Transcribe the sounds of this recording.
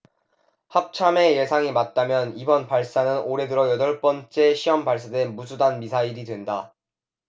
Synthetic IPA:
hap̚t͡ɕʰame̞je̞sʰaŋimat̚t͈amjʌnibʌnpaɭs͈anɯnoɾe̞dɯɾʌjʌdʌɭp͈ʌnt͡ɕ͈e̞ɕʰiʌmpaɭs͈adwenmusʰudanmisʰaiɾidwe̞nda

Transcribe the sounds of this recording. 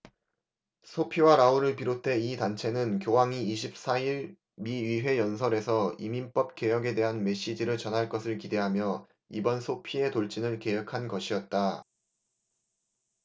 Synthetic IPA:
sʰopʰiwaɾauɾɯɭpiɾotʰe̞itant͡ɕʰe̞nɯnkjowaŋiːɕʰip̚s͈aiɾ | miɥiɦwe̞jʌnsʰʌɾe̞sʰʌiminp͈ʌp̚k͈e̞jʌɡe̞de̞ɦanme̞ɕ͈id͡ʑiɾɯɭt͡ɕʌnɦaɭk͈ʌsʰɯɭkide̞ɦamjʌ | ibʌnsʰopʰie̞toɭt͡ɕ͈inɯɭke̞jʌkʰanɡʌɕʰiʌt̚t͈a

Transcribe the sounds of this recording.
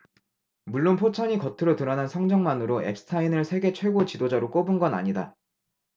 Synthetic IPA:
muɭːonpʰot͡ɕʰaɲikʌtʰɯɾotɯɾʌnɦansʰʌŋd͡ʑʌŋmanɯɾoe̞̰p̚s͈ʰɯ̥tʰainɯɭsʰe̞ɡe̞t͡ɕʰwe̞ɡot͡ɕidod͡ʑaɾok͈obɯnɡʌna̰ɲida̰

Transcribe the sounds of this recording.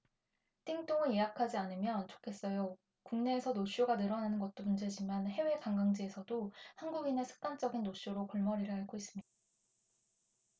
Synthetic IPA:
t͈iŋt͈oŋɯnjejakʰad͡ʑianɯmjʌnt͡ɕo̥kʰe̞s͈ʌjo | kuŋne̞ːsʰʌnoɕ͈oɡanɯɾʌnanɯnɡʌt̚t͈omund͡ʑe̞d͡ʑimanhe̞we̞kaŋɡaŋd͡ʑie̞sʰʌdohanɡuɡine̞sʰɯ̥k̚t͈ant͡ɕ͈ʌɡinːoɕ͈joɾokʌɭmʌɾiɾɯɭɦaɭɡois͈ɯmɲid̥a

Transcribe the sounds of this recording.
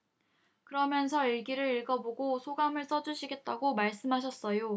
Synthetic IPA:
kɯɾʌmjʌnsʰʌiɭɡiɾɯɾiɭɡʌboɡosʰoɡamɯɭs͈ʌd͡ʑuɕʰiɡe̞t̚t͈aɡomaɭs͈ɯmɦaɕ̬ʰʌs͈ʌjo

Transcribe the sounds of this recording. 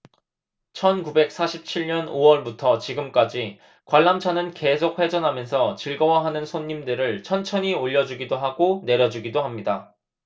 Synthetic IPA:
t͡ɕʰʌnkube̞k̚s͈ʰaɕʰip̚t͡ɕʰiɭɲʌnowʌɭbutʰʌt͡ɕiɡɯmk͈ad͡ʑi | kwaɭːamt͡ɕʰanɯnke̞sʰok̚ɸe̞d͡ʑʌnɦamjʌnsʰʌt͡ɕiɭɡʌwaɦanɯnsʰoɲːimdɯɾɯɭt͡ɕʰʌnt͡ɕʰʌɲioʎːʌd͡ʑuɡidoɦaɡone̞ɾjʌd͡ʑuɡidoɦamɲida

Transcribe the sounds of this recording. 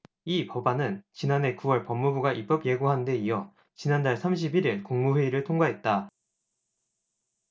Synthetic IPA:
ipʌbanɯnt͡ɕinane̞kuwʌɭpʌmːubuɡaʔip͈ʌpje̞ɡuɦande̞ijʌ | t͡ɕinandaɭsʰamɕ̬ʰibiɾiɭkoŋmuɸwe̞iɾɯɭtʰoŋɡwaɦe̞t̚t͈a

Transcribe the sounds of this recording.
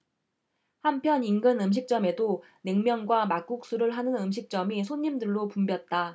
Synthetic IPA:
hampʰjʌninɡɯnɯmɕ̬ʰik̚t͡ɕ͈ʌme̞do | ne̞ŋmjʌnɡwamak̚k͈uk̚s͈uɾɯɭɦanɯnɯmɕ̬ʰik̚t͡ɕ͈ʌmisʰoɲːimdɯɭːopumbjʌt̚t͈a

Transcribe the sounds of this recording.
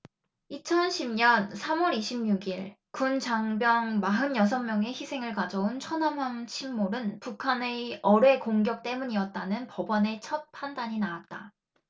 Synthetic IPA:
it͡ɕʰʌnɕʰimɲʌnsʰamwʌɾiɕʰimɲuɡiɭ | kunt͡ɕaŋbjʌŋmaɦɯnjʌs̬ʰʌŋmjʌŋe̞çisʰe̞ŋɯɭkad͡ʑʌunt͡ɕʰʌnamant͡ɕʰimːoɾɯnpukʰane̞ʌɾe̞koŋɡjʌk̚t͈e̞muɲiʌt̚t͈anɯnpʌbʌne̞t͡ɕʰʌt̚pʰandaɲinawat̚t͈a

